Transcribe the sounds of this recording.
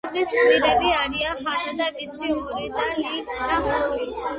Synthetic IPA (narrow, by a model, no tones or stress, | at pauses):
lbispiɾɛbiaɾiahad̪ad̪abisiɔɾid̪alid̪aɦɔɾi